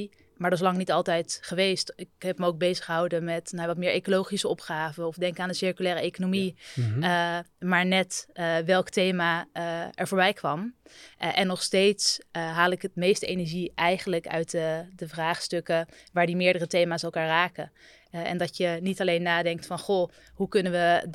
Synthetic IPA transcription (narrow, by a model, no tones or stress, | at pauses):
maːɹslɑŋnitɑlˠtɛjtχəʋejstɪkɦɛpməowk̚bejzəχəɦɑwdəmɛtnaʋɑt̚mɪːɹʔejkolowχisəɔpχaːvəɔfdɛŋkaːndəsɪɹkylɛːrəejkonomi | maːɹnɛtʋɛlˠktejmaɛɹvoːɹbɛjkʋɑmʔɛnːɔχstejtsɦaːlˠɪkətmejstəejnɛɹʒiʔɛjχənləkœ̰ɥtdəvraːχstɵkəʋaːɹdimɪːɹdərətejmaːsɛlˠkaːɹraːkə | ɛ̰ndɑtjənitɑlejnːaːdɛŋk̚tfɑnχo | ɦukɵnəʋə